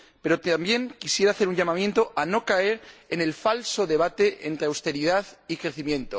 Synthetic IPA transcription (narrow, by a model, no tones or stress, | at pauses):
pe̞ɾot̪ambje̞ŋkisjeɾaːθe̞ɾuɲʝamamjẽ̞nt̪o̞ʔano̞kae̞ɾene̞lfalso̞ðe̞β̞at̪e̞ʔent̪ɾe̞awst̪e̞ɾiðaðikɾe̞θimjẽ̞nt̪o